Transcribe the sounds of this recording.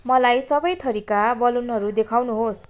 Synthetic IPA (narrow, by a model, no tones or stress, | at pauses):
mʌlajsʌbʌjt̪ʰʌɾikabʌlunɦʌɾud̪ekʰawnuɦos